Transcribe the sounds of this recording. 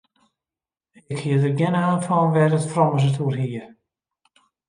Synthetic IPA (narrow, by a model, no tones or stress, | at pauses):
ɪkhiədərɡjɛnaːnfɔnʋɛrətfrɔməs̬ətʰurɦiə